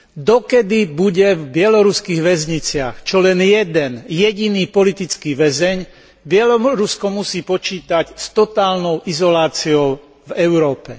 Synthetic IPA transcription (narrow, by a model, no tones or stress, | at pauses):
d̪ɔkɛd̪ibuɟɛvbɪɛlɔɾuskiːɣʋɛzɲit͡sɪaxt͡ʃɔlɛnjɛd̪ɛnjɛɟiniːpɔlit̪it͡skiːʋɛzɛɲ | bɪɛlɔɾuskɔmusiːpɔt͡ʃiːt̪acst̪ɔt̪aːlnɔʊʔizɔlaːt͡siɔʊ | vɛʊɾɔːpɛ̰